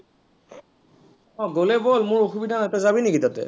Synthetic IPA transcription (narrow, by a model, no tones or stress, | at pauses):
ɔ̃ɡolɛbolmʊɹoxubidʱanatɛzabinɛkitatɛ̰